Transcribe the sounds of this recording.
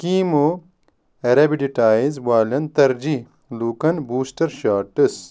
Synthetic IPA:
kiːmo | ɐɾɐbiɖiʈaːjizwaːlɐnt̪ɐɾd͡ʑi | luːkɐnbuːsʈɐɾʃaːʈɐs

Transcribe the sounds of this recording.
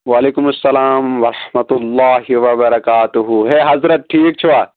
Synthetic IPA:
ʋaːleːkʊmɐsːɐlaːmʋɐɾɐħmɐt̪ʊlːaːɦiʋɐbɐɾɐkaːt̪uɦuɦeːɦɐzɾɐt̪̚ʈʰiːk̚t͡ʃʰuʋaː

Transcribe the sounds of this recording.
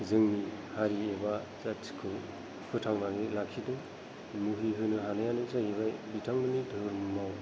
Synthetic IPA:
zɯŋnihaɾieba | t͡ʃat͡ʃi̥kʰɯ | pʰɯtʰaŋnaɡelakʰidɯ | muɦiɦɯnɯɦanajanɯsajebajbitʰaŋbɯnidʱɯɾmaw

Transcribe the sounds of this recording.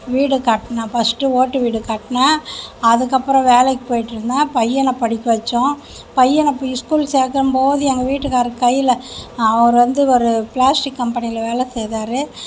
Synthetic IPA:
ʋiːɽɯkɐʈːnaːfɐsʈːɯoːʈːɯʋiːɽɯkaːʈːɐnaɐðɯkːɐpːɯɾɔ̃ʋeːlɛkːɯ̥poːjɪʈːɯɾɯnd̪ãːpɐjːɛnɐpɐɽɪkʲːɐʋɐt͡ʃːʊ̃ | pɐjːɛnɐpːɐɪskuːlseːkɐɾɯmpoːðɯɛŋɡɐʋiːʈːɯkaːɾɯkːɐjːɪlɐɐʋɐɾɯʋɐnd̪ɯɔɾɯplaːsʈɪkːɐmpɐnɪɐlɐʋeːlɛsɛjðaːɾɯ

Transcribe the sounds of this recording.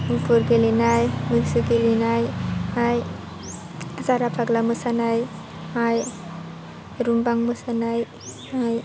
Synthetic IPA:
mupʰɯɾɡelinajmɯsɯɡilinajhaj | zaɾapʰaɡlamɯsanaj | haj | ɾumbaŋmɯsanaj | aj

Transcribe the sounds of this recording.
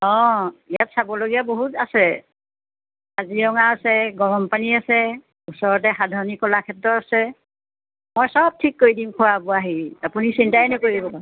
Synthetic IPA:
ɔ̃ijatsabɔloɡijaboɦutasɛ | azijɔŋaːsɛɡɔɹɔmpaniasɛ | usɔɹɔt̬ɛxadʱaɹɔnikɔlakʰɛtːɔtasɛ | mojsɔb̚tʰikːoidimkʰʊwabɔaɦiapunisintajnɛkoɹibɔ

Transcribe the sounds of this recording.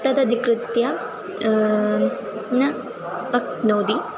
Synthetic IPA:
t̪ɐd̪ɐd̪ʱikɾɨt̪jɐ | nɐ | ɐk̚noːd̪i

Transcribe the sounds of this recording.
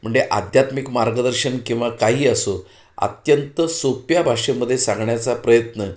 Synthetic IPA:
m̤əɳd͡zeʔa̰d̪ʱjat̪mikmaɾɡəd̪əɾɕənkĩw̃ʋakaɦiːəso | a̰t̪jənt̪əsopjabʱaʂeməd̪ʱːjesãŋɡɳjat͡sapɾəjət̪nə

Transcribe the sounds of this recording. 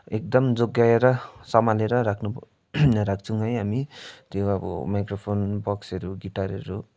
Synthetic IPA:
ek̚d̪ʌmd͡zoɡːaeɾʌsʌmaleɾʌɾakʰnu | ɾak̚ʰt͡sʰuʌjɦamit̪joʌbʌ̰majkropʰonbʌksʌɾuɡiʈaɾʌ̰ɾu

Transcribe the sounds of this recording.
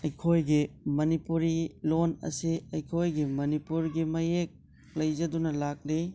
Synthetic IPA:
ɐjkʰojɡimɐnipuɾilonɐ̰siɐjkʰojɡimɐnipuɾɡimɐjek̚ | lɐjd͡ʒɐdunɐlak̚li

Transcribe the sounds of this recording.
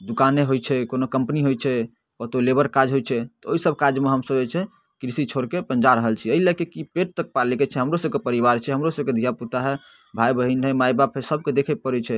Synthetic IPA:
d̪ukaneɦojt͡ʃʰɛkonokəmpəniɦojt͡ʃʰɛ | kɔt̪olebəɾkad͡ʒɦojt͡ʃʰɛt̪ɔoisəb̚kad͡ʒmeɦəmsəbɛt͡ʃʰɛ | kɾisit͡ʃʰoɾkepə̃nd͡ʒaɾəɦəlt͡ʃʰiəɦilɛkekipeʈ̚t̪ək̚palikɛt͡ʃʰɛɦəmɾosəbkepəɾiβaɾt͡ʃʰɛɦəmɾosəbked̪ʱijaput̪aɦɛ | bʱajbəɦinɦɛmajbapɦesəb̚ked̪ekʰɛpəɾɛt͡ʃʰɛ

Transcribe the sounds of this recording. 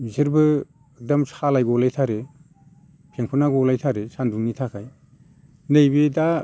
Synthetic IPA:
miziɾbɯ | ek̚dɔmsʰalajɡɔlajtʰaɾe | pʰeŋpʰunaɡoɔlajtʰaɾesʰanduŋnitʰakʰaj | nejbeda

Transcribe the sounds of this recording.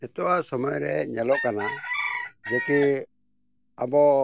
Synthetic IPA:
ɛt̪ɔwasɔmɔjɾɛɲɛlɔkana | d͡ʒɔki | abɔ

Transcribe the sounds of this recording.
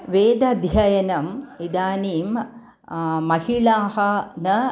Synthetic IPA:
ʋeːd̪ɐd̪ʱjɐjɐnɐmid̪aːniːm | mɐhiɭaːhɐnɐ

